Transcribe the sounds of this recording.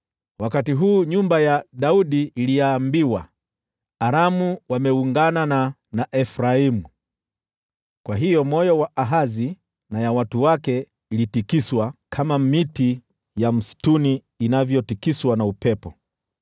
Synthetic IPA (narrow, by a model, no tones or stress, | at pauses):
wakatiɦuːɲumbajaɗauɗiːlijaːmbiwaː | ɾamuwamɛuŋɡanana | naʔɛfɾaimu | kwaɦijɔmɔjɔwaʔaɦazi | najawatuwakɛ | ilitikiswakʰamamiti | jam̩si̥tuniː | navjɔtikiswanaupɛpɔ